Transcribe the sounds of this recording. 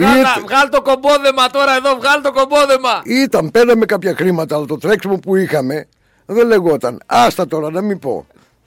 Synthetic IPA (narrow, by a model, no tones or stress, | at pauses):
ivɣɐlt̪o̞ko̞mboðemɐt̪o̞ɾɐe̞ðo̞vɣɐlt̪oko̞mboðemɐit̪ɐmpe̞ɾɐme̞kɐpçɐxɾimɐt̪ɐːlɐt̪ot̪ɾe̞ksimopuixɐme̞ | ðele̞ɣo̞t̪ɐnɐst̪ɐt̪o̞ɾɐnɐmipo̞̰